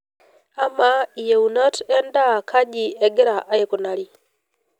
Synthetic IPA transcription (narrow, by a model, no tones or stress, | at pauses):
amaijeunatendakʰaɟieɡeɾaʔajekunali